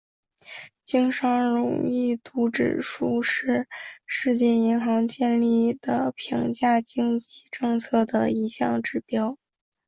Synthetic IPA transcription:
t͡ɕi˥ŋʂɑ˥ŋɻʊ̰˨˩ŋi˥˩t̪u˧˥ʈ͡ʂɻ̩˨˩ʂu˥ʂɻ̩˥˧ʂɻ̩˥˧t͡ɕjɛ˥˩i˧˥ŋxɑ˧˥ŋt͡ɕjɛ˥˧nli˥˩d̪̥ə˩pʰi˧˥ŋt͡ɕja˥˩t͡ɕi˥ŋt͡ɕi˥ʈ͡ʂɤ˥˧ŋt͡sʰɤ˥˩d̪ə˩i˧˥ɕjɑ̰˥˧ŋʈ͡ʂɻ̩˨˩pjɑ˥ʊ

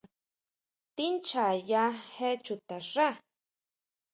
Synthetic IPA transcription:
t̪i˦nt͡ʃa˨ja˦he˦t͡ʃu˨t̪a˨ʐa˦

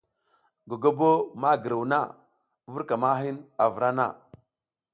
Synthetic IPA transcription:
ɡo˨ɡo˦bo˦ma˦ɡə˨ɾu˨wna̰˦ | vu˦ɾka˨ma˦ɦi˦na˨vɾa˦na̰˦˨

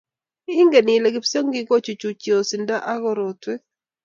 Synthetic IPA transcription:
i˦ŋɡe˨nɪ˨le˨ɡɪ˨pso˦ŋɡɪ˦ɡo˦t͡ʃu˨t͡ʃu˨t͡ʃjo˨si˨nda˦ʔa˦ɣɔ˦ɾo˨twɛ˦

